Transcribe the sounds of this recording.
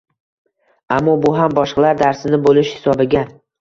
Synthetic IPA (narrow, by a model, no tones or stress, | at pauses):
amːɒbʊɦambɒʃqɑlaɾd̪aɾsɪnɪbolɪʃhɪ̥sɒbɪɡʲa